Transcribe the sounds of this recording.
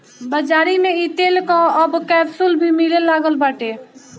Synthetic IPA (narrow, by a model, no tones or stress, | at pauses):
bəd͡ʒaɾimeit̪elkɔəbkɛbsulbʱimilelaɡəlbaʈe